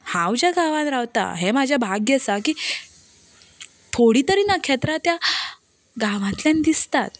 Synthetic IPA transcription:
hãwd͡ʑjaɡaʋãt̪ɾaʋt̪a̰ɦemad͡ʑʱjabʱaɡjɛsakiː | t̪ʰoɽiːt̪əɾiːnakʰet̪ɾat̪ja | ɡaʋãt̪ljand̪ist̪at̪

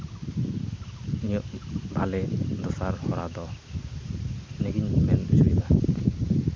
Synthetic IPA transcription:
nijɔʔbʱalɛd̪ɔsaɾhɔɾad̪ɔ | neɡiɲmɛnbusuɾiba

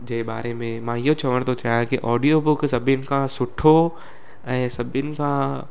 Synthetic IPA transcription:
d͡ʒɐɦɪba̰ːɾemẽmãːɪɦot͡ɕɐʋəɽ̃t̪ʰot͡ʃaːɦãkiʔɔːɖijobʊksɐbʱɪnɪ̆kʰãsʊʈʰo | ɛ̃ːsɐbʱɪnɪ̆kʰã

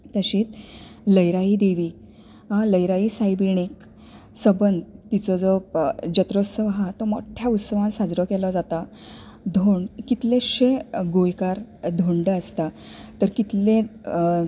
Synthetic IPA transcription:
t̪əɕĩːt̪ləjɾaid̪eʋiː | ɦãləjɾaiːsajbiɳ̃ik | səbənd̪t̪it͡sɔd͡zɔd͡ʑət̪ɾosəʋɦat̪ɔmoʈʰjaut̪səʋãnsad͡zɾɔkɛlɔd͡zat̪a | d̪ʱoɳɖkit̪lẽɕeɡojkaɾd̪ʱoɳɖəəst̪a | t̪əɾkit̪lẽ

